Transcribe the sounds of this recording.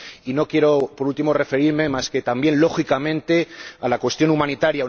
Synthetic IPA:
ino̞kje̞ɾo̞poɾult̪imo̞re̞fe̞ɾiɾme̞maske̞t̪ambje̞nlo̞xikamẽ̞nt̪e̞alakwe̞st̪jo̞numãnit̪aɾja

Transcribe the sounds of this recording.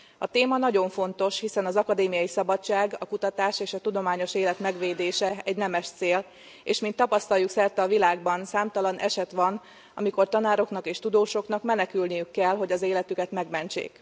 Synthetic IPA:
ɒt̪eːmɒnɒɟo̞ɱfo̞nt̪o̞ʃhisɛnɒzɒkɒd̪eːmijɒjisɒbɒt͡ʃːaːɡɒkut̪ɒt̪aːʃeːʃɒt̪ud̪o̞maːɲo̞ʃeːlɛt̪mɛɡʋeːd̪eːʃɛɛɟnɛmɛʃt̪seːl | eːʃmint̪ːɒpɒst̪ɒljuksɛrt̪ɛɒvilaːɡbɒnsaːmt̪ɒlɒnʔɛ̰ʃɛt̪ʋɒn | ɒ̰miko̞rt̪ɒnaːɾo̞knɒkeːʃt̪ud̪oːʃo̞kn̪ɒkmɛnɛkylnijykːɛlɦo̞ɟɒzeːlɛt̪ykɛt̪mɛɡmɛnt͡ʃḛːk

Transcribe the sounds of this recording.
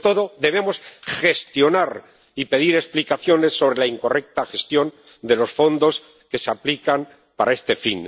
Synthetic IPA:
t̪o̞ðo̞ðe̞β̞emo̞sxe̞st̪jo̞naɾ | ipe̞ð̞iɾe̞splikaθjo̞ne̞sːo̞β̞ɾe̞laiŋko̞re̞k̚t̪axe̞st̪jo̞n | d̪e̞lo̞sfo̞nd̪o̞s | ke̞seaplikan | paɾʔae̞st̪e̞fḭn

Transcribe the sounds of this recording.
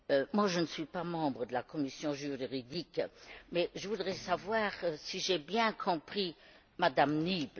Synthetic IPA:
ømwaʒənəsɥipamɑ̃bʁəd̪əlakɔmisjɔ̃ʒyʁʁid̪ikmɛʒəvud̪ʁɛsavwaːʁsiʒebjɛ̃kʰɔ̃pχi | mad̪amnib

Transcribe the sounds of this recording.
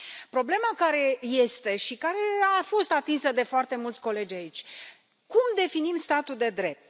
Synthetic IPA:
pɾo̞ble̞makaɾe̞je̞st̪e̞ʃikaɾe̞afo̞st̪at̪insəd̪e̞foart̪e̞mult̪sʲko̞le̞d͡ʒʲait͡ʃʲ | kumd̪e̞finimst̪at̪uld̪e̞d̪ɾe̞p̚t̪̚

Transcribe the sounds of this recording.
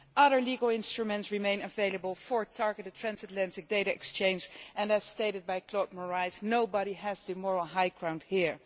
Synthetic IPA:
ʔʌðə˞liɡəl̩ˠɪ̃nstɹumɛ̃ntsɹimẽɪ̃nəveɪlˠəbəlˠfəɹtʰɑɹɡəɾɨtʰɹ̥æ̃nsɨtlæ̃ntɪk̚d̥eɪɾɨɛ̰kst͡ʃẽɪ̃nzʔɛ̃næz̥steɪɾɨd̚bajkʰlɔd̚məɹaɪznoʊbɑɾiæzðɨmɔɹl̩ˠɦajkʰɹãʊ̃ndhiɹ

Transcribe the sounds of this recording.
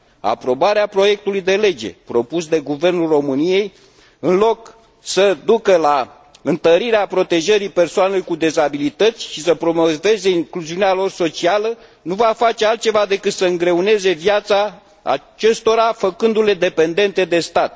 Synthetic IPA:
a̰pɾo̞baɾeapɾo̞je̞k̚t̪ulujd̪e̞le̞d͡ʒe̞̰pɾo̞pusd̪e̞ɡuve̞rnulro̞mɨnije̞j | ɨnlo̞k | səd̪ukəla | ɨnt̪əɾiɾeapɾo̞t̪e̞ʒəɾipe̞rsoanelujkud̪e̞zabilit̪ət̪sʲʃisəpɾo̞move̞ze̞iŋkluziunealo̞rso̞t͡ʃialə | nuvafat͡ʃe̞alt̪̚t͡ʃe̞vad̪e̞kɨt̪səɨŋɡɾe̞une̞ze̞vjat̪sa | a̰ | t͡ʃest̪o̞ɾafəkɨnd̪ule̞d̪e̞pe̞nd̪e̞nt̪e̞d̪e̞st̪at̪̚

